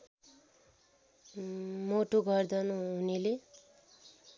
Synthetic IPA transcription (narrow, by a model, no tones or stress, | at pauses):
moʈoɡʱʌrd̪ʌnũɦunile